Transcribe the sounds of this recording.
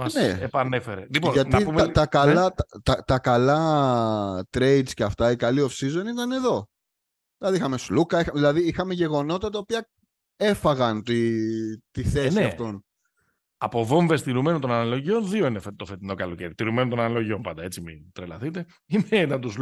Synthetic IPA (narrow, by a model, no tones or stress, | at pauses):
ɐneepɐnefeɾelipoʝɐtnɐipumɐt̪ɐkɐlɐt̪ɐt̪ɐt̪ɐkɐlɐ | t̪ɾe̞jd̪sceɐft̪ɐikɐlio̞fsizo̞nit̪ɐne̞ðo̞ | ðilɐðiixɐme̞slukɐixɐðilɐðiixɐmeʝe̞ɣo̞no̞t̪ɐt̪ɐopiɐ | e̞fɐɣɐnt̪it̪iθesiɐft̪o̞n | ɐpo̞vo̞ɱvest̪iɾumenot̪onɐnɐlo̞ʝio̞nðio̞inefet̪ofet̪ino̞kɐloceɾit̪iɾumenot̪onɐnalo̞ʝio̞npɐnd̪ɐe̞t͡simit̪ɾelɐθit̪e̞ | imet̪ɐnt̪us